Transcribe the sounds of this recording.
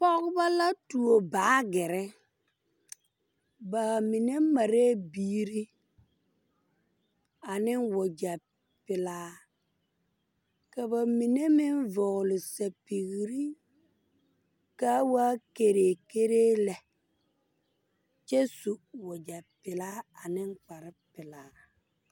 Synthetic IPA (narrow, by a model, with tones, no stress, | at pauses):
pɔ˦ɣba˦la˦tu˨o˨baː˨˦ɡɪ˨ɾɪ˦ | ba˨mi˨ne˦ma˨ɾeː˦biː˦ɾi˦ | a˨nɪ˦wʊ˨d͡ʒa˨ | pɪ˨laː˦ | ka˨ba˨mi˨ne˦mɪ˦nvɔ˨ɣʊ˨lɪ˨sa˨pi˨ɣi˨ɾi˦ | kaː˦waː˦ke˨ɾe˨ke˦ɾeː˦lɛ˨ | t͡ʃɛ˦su˨wʊ˨d͡ʒa˨pɪ˨laː˦a˨nɪ˦ŋk͡pa˨ɾɪ˦pɪ˨laː˨˦